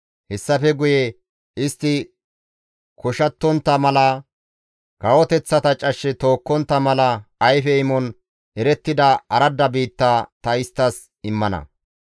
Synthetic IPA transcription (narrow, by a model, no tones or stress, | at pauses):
hɛsːɐfɛɡʊjɛ | ɪst̪ːɪ | kɔʃɐt̪ːɔnt̪ːɐmɐlɐ | ɡ̥ɐwɔt̪ɛt͡sːɐt̪ɐt͡ʃʼɐʃːɛt̪o̞ːkːɔnt̪ːɐmɐlɐɐjfɛɪmɔn | ʔɛɾɛt̪ːɪd̪ɐɐɾɐd̪ːɐbiːt̪ːaːt̪ɐɪst̪ːɐs | ɪmːɐnɐ̰